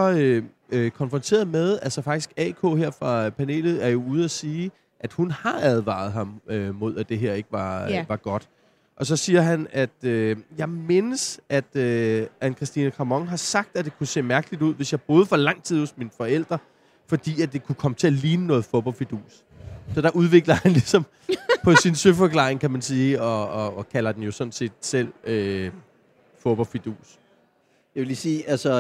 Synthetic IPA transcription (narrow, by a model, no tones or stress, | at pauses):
ɒ̽ø | kʰɒ̽nfʁɒ̽nt͡sʰe̝̰ɐðˠmeðˠælsɒ̽fɑ̈ɡ̥i̥sɡ̥ɛkʰo̰ːɦeɐ̰fʁɑ̈pʰæne̝̰ːlð̞̩ˠæɐjo̝uːð̞̩ˠæsiː | ʔæd̥hunhɑ̈æð̞ˠʋɑ̰̈ð̞̩ˠɦɑ̈mømo̝ð̞̰ˠæd̥e̝ɦeɐ̰e̝ɡ̥əʋɑ̈ʋɑ̈ɡ̥ɒ̽d̥ | ʔɒ̽sɒ̽siːɐɦænæd̥øjɑ̈ɪme̝nəsʔæd̥øʔænkʰʁɛsd̥inəkʰʁɑ̈mɒ̽ŋɦɑ̈sɑ̈ɡ̥̚d̥æd̥e̝kʰuse̝̰ːmæɐɡ̥əlid̥uð̰ˠʋe̝sjɑɪb̥oːð̞̩ˠfɒ̽lɑ̈ŋ̰t͡sʰið̞̰ˠhɔ̽sminfɒ̽el̰d̥ʁɐ | fɒ̽d̥ḭːædd̥e̝kʰukʰɒ̽mət͡sʰe̝æliːnənɔ̽ːð̩ˠfob̥ɒ̽lfid̥ṵːs | sɒ̽d̥æʔuðˠʋe̝ɡ̥lɐhænlisɒ̽m | pʰɒ̽sinsøfɒ̽kʰlɑ̰̈ːʁeŋkʰæmænsiːɒ̽ːkʰælɐd̥enjo̝sɒ̽nse̝̰ːd̥sel̰ø | foːb̥ɒlfid̥ṵːs | jɑʋe̝liːsiːælsɒ